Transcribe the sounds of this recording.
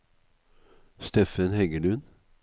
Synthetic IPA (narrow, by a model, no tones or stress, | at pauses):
st̪ɛfənhɛɡəlʉn